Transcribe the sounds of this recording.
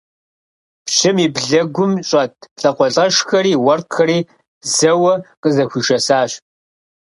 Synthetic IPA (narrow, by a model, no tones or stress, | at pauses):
pɕɪmiːbɮɐɡʷʊmɕʼɐtʰɬʼɐqʷɔɬʼɐʂxɐɾiːwɐrqʰxɐɾiː | zɐwɐqəzɐxʷiːʃɐsaːɕ